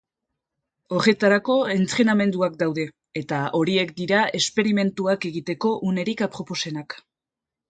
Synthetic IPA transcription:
o̞ɾe̞t̪aɾako̞e̞nt͡s̪ɾe̞name̞nd̪uak̚d̪awðe̞ː | t̪aʔo̞ɾie̞k̚d̪iɾae̞spe̞ɾime̞nt̪uake̞ɣit̪e̞ko̞ʔune̞ɾikapɾo̞po̞se̞nak

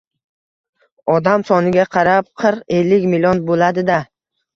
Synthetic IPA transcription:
ɒd̪amsɒnɪɡʲaqʰɑɾap̚qʰɨɾqe̞lːɪkʲmilʲionbolad̪ɪd̪a

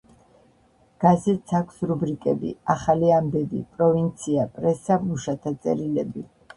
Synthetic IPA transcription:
ɡ̥azɛt̪sʰakʷʰsɾubɾikʼɛbḭaχaliambɛbḭpʼɾɔvint̪sʰiapʼɾɛsamuʃat̪ʰat̪sʼɛ̰ɾilɛbi

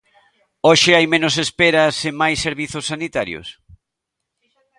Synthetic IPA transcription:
oʃɪajmenosespeɾɐsemajsːeɾβiθʊsːanit̪aɾjo̰s

